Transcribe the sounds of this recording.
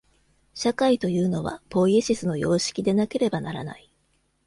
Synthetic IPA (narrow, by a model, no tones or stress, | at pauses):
ɕakait̪o̞jɯ̟ːno̞βa̰po̞ieɕisɨno̞jo̞ːɕi̥kʲid̪e̞nake̞ɾe̞banaɾa̰na̰i